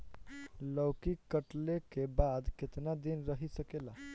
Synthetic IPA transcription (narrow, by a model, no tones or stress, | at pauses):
ləwkikəʈlekebad̪ket̪nad̪inɾəɦisəkela